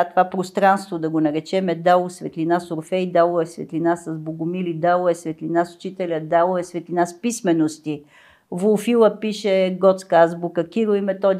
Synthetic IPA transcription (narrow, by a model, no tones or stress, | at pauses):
t̪ovapɾost̪ɾanst̪vod̪ɐɡonɐɾɛt͡ʃɛmɛd̪alˠosvɛt̪linasoɾfɛjid̪alˠoɛsvɛ̰t̪linasɐzboɡʊmilid̪alˠoɛsvɛt̪linasʊ̥t͡ʃit̪ɛlʲəd̪alˠoɛsvɛt̪linaspismɛnost̪i | volfilˠəpiʃɛɡɔt̪skazbukəkʲiɾoimɛt̪ɔd̪